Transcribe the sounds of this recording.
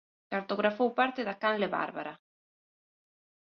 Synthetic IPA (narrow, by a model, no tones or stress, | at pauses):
kaɾt̪oɣɾafowpaɾt̪ɪðakanleβa̰ɾβa̰ɾa